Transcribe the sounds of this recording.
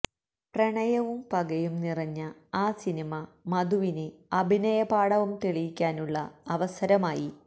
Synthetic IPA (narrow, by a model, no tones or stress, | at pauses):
prɐɳɐjɐʋumpɐɡɐjumnirɐɲːɐaːsinimɐmɐd̪uʋineɐbʱinɐjɐbaːɽɐʋumt̪eɭijikʲːaːnuɭːɐɐʋɐsɐɾɐmaːji